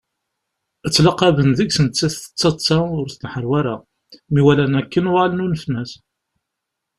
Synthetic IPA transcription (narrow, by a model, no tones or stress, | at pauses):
ət͡sːlɑqːɑvənðəɡsənt͡sːæθə̥t͡sːɑt͡sːaʊɾθənħəɾwæɾæ | miwælænækːənʊʁalənunfənːæs